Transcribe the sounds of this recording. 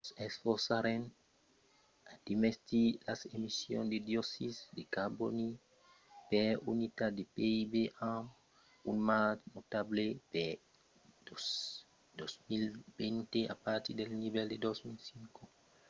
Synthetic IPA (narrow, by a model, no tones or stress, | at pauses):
sesfoɾsaɾen | ad̪̥imest̪ilasemisjõ̰nd̪ed̪josisd̪ekaboni | peunit̪ad̪epeibeʔãm | unmanot̪ablepe | d̪osmilbent̪eʔa̰paɾt̪id̪elnibeld̪ed̪osmilsiŋko